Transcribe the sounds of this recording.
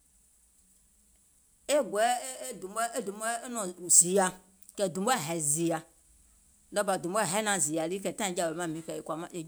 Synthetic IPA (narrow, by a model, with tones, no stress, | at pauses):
e˦ɡ͡bd̪u˨mɛ˦e˦du˨mɛ˦nɔ̃˨zi˨a˨ | kɛ˨d̪u˨m˦ɛ˦ɦɛ˨zi˨a˨ | dɔ˦ba˨d̪u˨m˦ɛ˦ɦɛ˦nã˨zi˨a˨li˦kɛ˨˦tã˦ĩ˨˦d͡ʒa˨be˨˦mã˦mĩ˦kɛ˨je˨kʷa˨mã˦je˨